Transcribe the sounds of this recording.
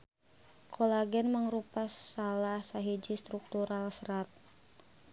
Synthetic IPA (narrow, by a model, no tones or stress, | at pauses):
kʰolaɡɛnməŋɾupasalahsaɦid͡ʒist̪ɾuk̚t̪uɾalsɾat̪̚